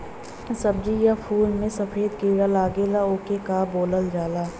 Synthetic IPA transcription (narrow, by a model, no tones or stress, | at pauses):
sɐb̚d͡ʒijapʰuːlmẽsɐfʰeːd̪kiːɽalaːɡeːlaoːkekaboːləld͡ʒaːlaː